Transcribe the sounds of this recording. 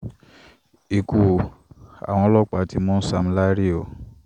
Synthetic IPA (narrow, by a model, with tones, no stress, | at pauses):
i˨ku˨a̰˨w̃ɔ̃˧˦lɔ˦k͡pa˨˦ti˧˦mɔ̃˦n̩˦sa˧m̩˨˦la˦ɾi˦o˦˨